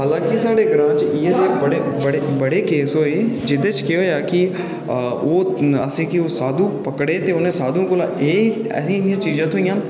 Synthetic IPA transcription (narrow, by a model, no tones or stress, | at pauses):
ɦaːlãːkisaːɽeɡɾãːt͡ʃiet̪ebɐɽebɐɽebɐɽekeːsɦoːeːd͡ʒɪd̪et͡ʃkɪjoːjaːki | oːa̰sẽːkioːsaːd̪ʱũpɐkɽet̪eːʊnẽsaːd̪ʱũkolaːeːɛ̰ːsĩɪd̪ijãːt͡ʃiːzãːt̪ʰʊijãː